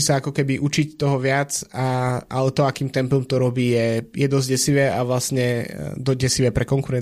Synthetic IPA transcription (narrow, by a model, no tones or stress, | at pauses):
isaakɔkɛbiʔut͡ʃict̪ɔɦɔʋɪat͡saalɛt̪ɔakiːmt̪ɛmplɔmt̪ɔɾɔbiːjɛjɛd̪ɔzɟɛsiʋɛːʔaʋlasɲɛd̪ɔɟɛsiʋɛːpɾɛkɔŋkuɾɛn